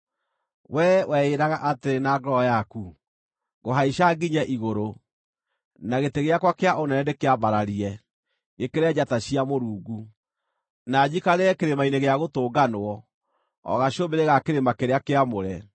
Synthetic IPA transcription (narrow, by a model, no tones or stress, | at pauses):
wʔɛwʔɛeɾaɣaʔateenaːɡɾɔjaku | ɣoɦaiʃaɡiɲɛʔiɣoɾo | naɣeteɣeakwakeaʔonɛnɛdekeaβaɾaɾiɛ | ekeɾɛd͡ʑataɕiamoɾuːɡu | nad͡ʑikaɾeɛkeɾemaineɣeaɣotoːɡanoɔ | ɔ̰ɣaʃobeɾeɣakeɾemakeɾeakeamoɾɛ